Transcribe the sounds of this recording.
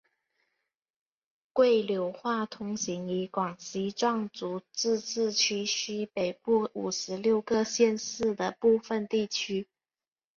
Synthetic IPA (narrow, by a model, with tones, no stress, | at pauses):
kwe˥˩ɪljo˧˥ʊxwa˥˩t̪ʰʊ˧˥ŋɕi˧˥ŋi˧˥kwɑ˨˩ŋɕi˧˥ʈ͡ʂwɑ˥˩ŋt͡su˧˥t͡sɻ̩˥˧t͡sɹ̩˥˧t͡ɕʰy˥ɕy˥pe˨˩ɪpu˥˩u˨˩ʂɻ̩˧˥ljo˥˧ʊkɤ˥˧ɕjɛ˥˧nsɹ̩˥˩d̪ə˩pu˥˩fə˨nt̪i˥˩t͡ɕʰy˥